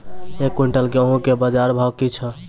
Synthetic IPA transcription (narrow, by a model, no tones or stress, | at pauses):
ekːuɳʈəlkeəɦũkebəd͡ʒaɾbʱakit͡ʃʰə̃